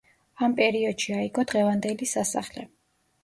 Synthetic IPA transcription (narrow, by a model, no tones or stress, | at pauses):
ampʼɛɾiɔd̪̥ʃiaiɡɔd̪̥ʁɛvand̪ɛlisasa̰χlɛ̰